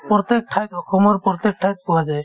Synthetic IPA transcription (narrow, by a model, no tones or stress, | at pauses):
pɔɾt̪ek̚ʈʰajt̪ɦɔkʰɔmɔɾpɾt̪ek̚ʈʰajt̪̚pɔwad͡ʒaj